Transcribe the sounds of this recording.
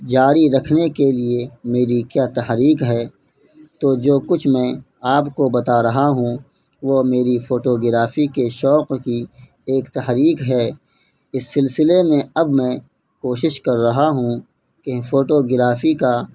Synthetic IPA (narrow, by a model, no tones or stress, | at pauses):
d͡ʒaːɾiɾɐkʰnekeliemeːɾikjaːt̪ɐɦɾiːqɦɛː | t̪oːd͡ʒoːkʊt͡ʃʰmɛ̃ | aːpkobɐt̪aɾɐɦaɦũ | ʋomeːɾifʰoːʈoɡɪɾaːfikeʃɔːqki | eːkt̪ɐɦɾiːqɦɛː | ɪsːɪlsɪlemẽɐbmɛ̃ː | koːʃɪʃkɐɾːɐɦaɦũ | kefoːʈoɡɪɾaːfika